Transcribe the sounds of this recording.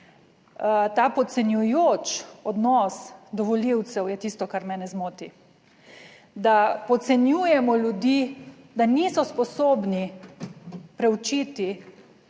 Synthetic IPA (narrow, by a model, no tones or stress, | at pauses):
t̪aːpɔt̪sɛnjujoːt͡ʃɔd̪nɔsd̪ɔʋɔliwt̪sɛwjɛt̪iːst̪ɔkaɾmɛːnɛzmoːt̪i | d̪apɔt̪sɛnjuːjɛmɔljud̪iː | d̪aniːsɔspɔsoːbni | pɾɛwt͡ʃiːt̪i